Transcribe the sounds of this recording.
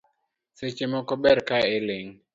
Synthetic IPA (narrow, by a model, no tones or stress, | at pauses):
set͡ʃemɔkɔbɛɾkaeleŋ